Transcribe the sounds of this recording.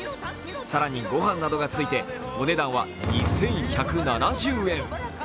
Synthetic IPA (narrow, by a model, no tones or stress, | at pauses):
saɾaɲ̟iɡo̞ɦãnːad̪o̞ɡat͡sɨit̪e̞ | o̞ne̞d̪ãɰ̃βa̰ɲisẽ̞ɰ̃çakɯ̟nanaʑɨːẽ̞ɴ